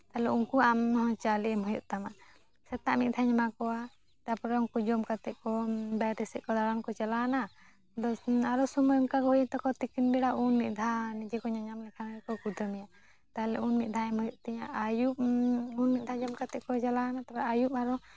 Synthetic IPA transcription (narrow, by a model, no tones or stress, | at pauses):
t̪alɛunkuamɦɔ̃t͡ʃaliɛmɦɔjɔʔt̪ama | sɛt̪aʔmit̪̚d̪ʰʱaɲamakɔa | ʈapɔɾɔŋkud͡ʒɔmkat̪ɛʔ̚kɔbaɾɛsɛʔ̚kɔd̪aɽamkɔt͡ʃalana | d̪ɔaɾɔsumɔjɔmkaɡɔɦɔjt̪ɔkɔt̪ikinbɛɽaʔunmiʔ̚d̪ʱanid͡ʒɛkɔɲaɲamlɛkʰanaɛkɔkud̪ʱəmɛja | t̪aɛlɛ̰unmit̪̚d̪ʱaɛmhɔjɔʔt̪ɛɲaʔajup̚unmit̪̚d̪ʱad͡ʒɔmkat̪ɛʔkɔt͡ʃalanat̪apaʔajupaɾɔ